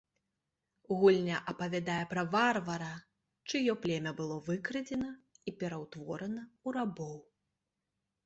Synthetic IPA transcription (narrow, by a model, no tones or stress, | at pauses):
ɣulʲnʲɐʔɐpɐvʲad̪ajɛpɾɐvarvɐɾɐ | t͡ʂɨjɔplʲɛmʲɐbɨlˠɔvɨkɾɨd͡zʲɛnɐipʲɛɾɐwt̪vɔɾɐnɐuɾabɔw